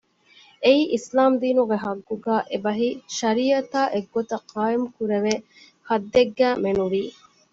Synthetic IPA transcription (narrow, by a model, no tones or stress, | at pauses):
eiːʔislaːmd̪iːnuɡeɦɐɡːuɡæːʔebɐɦiʃɐɾiːɐt̪aːʔeɡːot̪ɐqʰɑːemukuɾeʋe | hɐd̪ːeɡːæːmenuʋiː